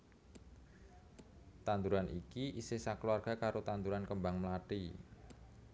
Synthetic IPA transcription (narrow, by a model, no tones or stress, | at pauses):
t̪and̪uɾanʔikiʔisesaklwarɡ̥a̤kaɾot̪and̪uɾankəmbaŋməlaʈi